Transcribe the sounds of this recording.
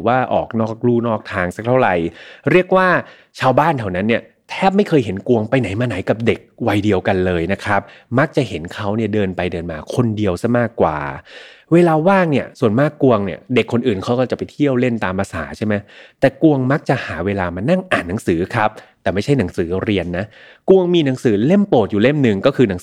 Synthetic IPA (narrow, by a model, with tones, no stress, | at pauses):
waː˥˩ʔɔ̰ː˨˩k̚nɔː˥˩k̚ɾuː˥˩nɔː˥˩k̚t̪ʰaː˧ŋsa˨˩k̚t̪ʰa˥˩wɾa˨˩jɾi˥˩ək̚waː˥˩ | t͡ɕʰaː˧wbaː˥˩nt̪ʰa˧˩wna˦˥nːi˥˩ə | t̪ʰɛː˥˩p̬̚ma˥˩jkʰɤː˧jɦe˩˦nku˧əŋpa˧jna˩˦jmaː˧na˩˦jka˨˩p̚de˨˩k̚wa˧jdi˧əwka˧nlɤː˧jna˦˥kʰɾa˦˥p̚ma˦˥k̚t͡ɕa˨˩ʔhe˩˦nkʰa˦˥wni˥˩ɐdɤː˧npa˧jdɤː˧nmaː˧kʰo˧ndi˧əwsa˧˥˩maː˥˩kːwa̰ː˨˩ | weː˧laː˧waː˥˩ŋni˥˩əsu˨˩ənmaː˥˩kːu˧əŋni˥˩ɐde˨˩kʰːo˧nʔɯː˨˩nkʰa˦˥wkɔː˥˩t͡ɕa˨˩pa˧jt̪ʰi˥˩əwle˥˩nt̪aː˧mpʰa˧sa̰ː˩˦t͡ɕʰa˥˩jma˦˥jt̪ɛː˨˩ku˧əŋma˦˥k̚t͡ɕa˨˩ʔhaː˩˦weː˧laː˧ma˧na˥˩ŋʔaː˨˩nːa˩˦ŋsɯː˩˦kʰa˦˥p̚t̪ɛː˨˩ma˥˩t͡ɕʰa˥˩jna˩˦ŋsɯː˩˦ɾi˧ənːa˦˥ | ku˧əŋmiː˧na˩˦ŋsɯː˩˦le˥˩mpoː˨˩t̪̚juː˨˩le˥˩mnɯ˨˩ŋkɔː˥˩kʰɯː˧na˨˩˦ŋ